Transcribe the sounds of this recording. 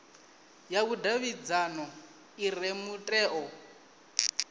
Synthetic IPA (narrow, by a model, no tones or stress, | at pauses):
jaβudaβid͡zanɔ | iremutʼɛːʔɔ